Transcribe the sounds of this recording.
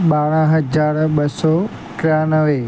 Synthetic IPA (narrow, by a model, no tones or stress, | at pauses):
ɓaːɽ̃ə̃ɦɐd͡ʑaːɾɓɐsɔː | kɾaːnəʋe